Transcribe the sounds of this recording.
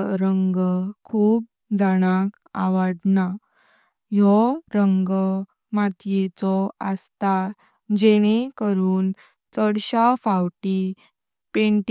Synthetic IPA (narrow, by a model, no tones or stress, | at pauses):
ɾəŋɡkʰuːp̚ | d͡zaɽ̃ak | a̰ʋad̪na | jɔɾəŋɡ | mat̪jet͡sɔəst̪a | d͡ʑeɽ̃ekəɾuːn | t͡sɔɽɕafawʈi | peɳʈ